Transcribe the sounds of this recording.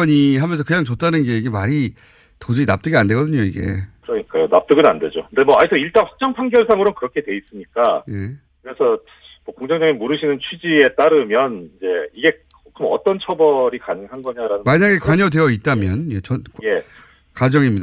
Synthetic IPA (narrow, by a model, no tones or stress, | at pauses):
ʌɲiɦamjʌnsʰʌkɯɲaŋt͡ɕot̚t͈anɯnɡe̞iɡe̞maɾi | tod͡ʑina̰p̚t͈ɯɡeande̞ɡʌdɯɲoiɡe̞̰kɯɾʌɲik͈ajonap̚t͈ɯɡɯnande̞d͡ʑokɯndemwʌaitʰʌiɭt͈anɸwḁk̚t͡ɕ͈ʌŋpʰaŋɡjʌɭsʰaŋɯɾonkɯɾʌkʰe̞dwe̞is͈ɯɲik͈aje̞ | kɯɾe̞sʰʌ | mʌkoŋd͡ʑʰʌŋd͡ʑʌŋemuɾɯɕʰinɯnt͡ɕʰwid͡ʑie̞t͈aɾɯmjʌnid͡ʑe̞iɡe̞ | kɯɾʌmʌ̰t͈ʌnt͡ɕʰʌbʌɾikanɯŋɦanɡʌɲaɾanɯnmaɲaɡe̞kwaɲʌdwe̞jʌit̚t͈amjʌnje̞t͡ɕʌnke | kad͡ʑʌŋimɲida